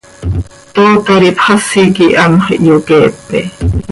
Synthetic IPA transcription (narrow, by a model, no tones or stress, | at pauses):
t̪oːt̪ɑɾipχɑsikiʔɑmχʔjokeːpːɛ